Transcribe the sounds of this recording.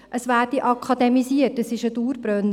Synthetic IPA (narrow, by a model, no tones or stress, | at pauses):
ʔəsʋæːrd̥iʔɑkʰɑd̪ɛmisiətəsɪʃəd̪uːɾb̥ɾœn